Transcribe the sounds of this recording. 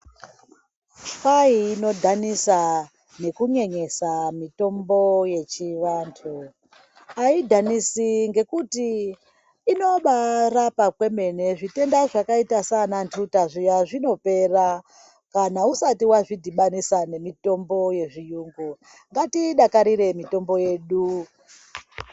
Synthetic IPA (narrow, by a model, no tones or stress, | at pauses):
faiːno̞dʱanisa | ne̞kuɲe̞ɲe̞samito̞mbo̞je̞t͡ʃiʋaːntʰu | aidʱanisiŋɡe̞kutiː | no̞ɓarapakwe̞me̞ne̞ʐite̞ndaʐakaitasanantʰutaʐijaʐino̞pe̞ra | kanausatiwaʐidʱiɓanisane̞mito̞mbo̞je̞ʐijuːŋɡu | ŋɡatiɗakaɾiɾe̞mito̞mbo̞je̞ɗu